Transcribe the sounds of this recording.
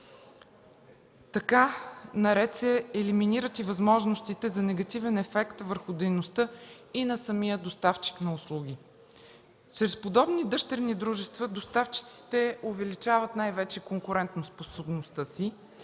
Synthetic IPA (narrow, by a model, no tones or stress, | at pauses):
t̪ɐkanɐɾɛt̪sɛːliminiɾət̪ivɐzmɔʒnost̪it̪ɛzɐnɛɡɐt̪ivɛnɛfɛkt̪vəɾxʊd̪ɛjnost̪ɤ | inɐsɐmijəd̪ost̪aft͡ʃi̥knɐʊslˠuɡ̟i | t͡ʃɾɛspod̪ɔbnid̪ɤʃt̪ɛɾnid̪ɾuʒɛst̪vəd̪ost̪aft͡ʃi̥t̪si̥t̪ɛovɛlit͡ʃavɐt̪najvɛt͡ʃɛkoŋkʊɾɛnt̪nosposobnost̪əsi